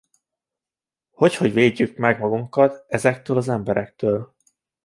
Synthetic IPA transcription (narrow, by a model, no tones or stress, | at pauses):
ho̞cho̞ɟveːɟːykmɛɡmɒɡuŋkɒt̪ɛzɛkt̪øːlɒzɛmbɛɾɛk̚t̪øːl